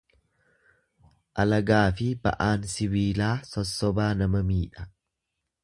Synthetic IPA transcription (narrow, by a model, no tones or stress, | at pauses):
ʔɐlɐɡaːfɪbɐ̰ʔaːnsɪβiːlaːsɔsːɔbaːnɐmɐmiːᶑɐ̥